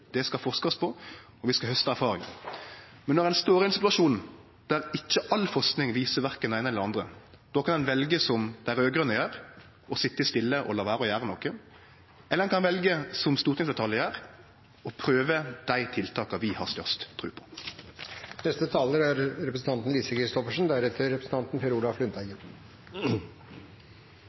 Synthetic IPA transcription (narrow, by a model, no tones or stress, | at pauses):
d̪̥ɛskɑfɔʁskɑɔspʰɔ | ɔʋɪskɑhœst̪əæʁfɑːʁɪŋ̰ | mɛnɔʁɛnst̪oːɾɪnsɪt̪ʉʋɑʃuːnn̩ | d̪̥æɾɪc͡çːəʔɑlfɔsknɪŋʋiːsəʋæʁkɛnæɪnəɛlːəʁɑnd̪ʁə | d̪̥oːkʰɑnɛnʋɛlɡəsɔmd̪ɛææɾøːɡʁœnːəjæːɾ | ɔsɪt̪ːəɪst̪ɪlːəʔɔlɑːʋæːɾəɔjæːʁənɔkːə | ɛlədɛnkʰɑnnʋɛlɡəsɔmst̪uːʁt̪ɪŋsd̪ɛt̪ʰɑljəjæːɾ | ɔpʰɾøːʋəd̪̥æɪt̪ʰɪlt̪ʰɑːkɑʋɪhɑ̰ʁst̪œʁst̪ʰːʁʉːpʰɔ̥ | nɛst̪ət̪ʰɑːləɾæɾɾɛpɾəsn̩t̪ɑnt̪n̩liːsəkɾɪst̪ɔfəʂn̩d̪æɾɛt̪ʰəɾɛpɾəsn̩t̪ɑnt̪n̩fɔɾuːd̪ɑflʉnt̪æɪɡ